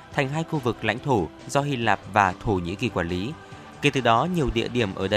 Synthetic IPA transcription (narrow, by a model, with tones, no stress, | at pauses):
t̪ʰɛ˨˩ŋ̟ɦaː˧jxu˧vɨ˨˩k̚la̰˧˥jŋ̟t̪ʰo˧˩zɔ˧hi˧laː˨˩p̚vaː˨˩t̪ʰo˧˩ɲḭ˧˥ki˨˩kwaː˧˩nli˨˦ | ke˨˩t̪ɨ˨˩ɗɔ˨˦ɲi˨˩əwɗḭ˧˨əɗi˧˩əmʔəː˧˩ɗə˧